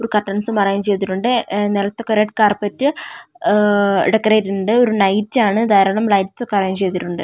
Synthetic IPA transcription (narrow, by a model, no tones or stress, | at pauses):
oɾukɐʈːɐɳɐsumɐrɐjɐmt͡ɕe̞jt̪̬iʈːuɳɖɨnelɐt̪ːo̞kːeɾeʈkaːrpɐtːɨ | ɖekːɐreːtːɳɖɨoɾunɐjtːaːɳɨd̪ʱaːɾɐɳɐmlɐjtso̞kːeɐrɐjimt͡ɕejt̪iʈːuɳɖɨ